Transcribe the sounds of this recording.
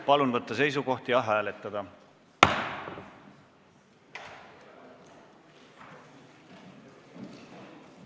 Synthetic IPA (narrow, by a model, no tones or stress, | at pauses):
pɑlunvɤt̪ːɑse̞js̬uɡo̞ht̪iɑɦæːlet̪ːˑɑd̪̥ɑ